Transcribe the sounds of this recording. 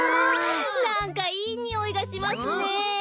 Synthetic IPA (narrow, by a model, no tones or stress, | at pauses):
nãŋkaiːɲ̟ioiɡaɕimasɨne